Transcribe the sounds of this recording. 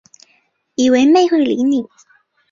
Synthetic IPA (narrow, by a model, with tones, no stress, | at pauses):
i˨˩we˧˥ɪme˥˧ɪxwe˥˩ɪli˧˥ni˨˩˦